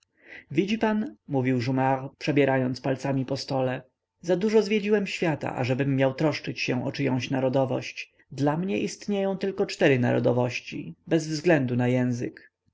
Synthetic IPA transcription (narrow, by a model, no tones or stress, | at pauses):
vʲid͡ʑipanmuvʲiwʐumaɾpʂɛbʲjɛɾʔajɔnt̪spalt̪samʲipɔst̪ɔlɛ | zad̪uʐɔzvʲjed͡ʑiwɛmɕfʲjat̪a̰ʔa̰ʐɛbɘmːjawt̪ɾɔʂt͡ʂɘt͡ɕɕɛʔɔt͡ʂɘjɔ̃w̃ɕnaɾɔd̪ɔvɔ̰ɕt͡ɕ | d̪lamɲɛʔist̪ɲejɔ̃w̃t̪ɘlkɔt͡ʂt̪ɛɾɘna̰ɾɔ̰d̪ɔvɔɕt͡ɕḭbɛzvzɡlɛnd̪unajɛ̃w̃zɘ̰k